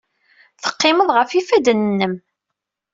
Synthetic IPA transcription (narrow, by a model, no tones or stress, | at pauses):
θə̥qːɪməðˤʁəfifæd̪ənənːəm